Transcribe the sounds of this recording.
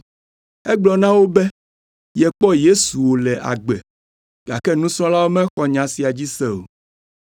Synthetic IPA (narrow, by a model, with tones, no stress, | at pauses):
ɛ˦ɡ͡blɔ˨nã˦wo˦bɛ˦ | jɛ˨k͡pɔ˦je˦su˨wo˨lɛ˨ʔa̰˨ɡ͡bɛ˨ | ɡa˨kɛ˦nũ˦sɾ̃ɔ̃˦la˦wo˦mɛ̃˦xɔ˨ɲã˨si˨a˨d͡ʑi˦sɛ˦o̰˨